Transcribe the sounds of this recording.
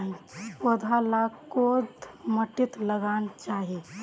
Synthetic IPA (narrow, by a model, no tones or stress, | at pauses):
ĩwəd̪ʱalakod̪məʈit̪ləɡant͡ʃaɦi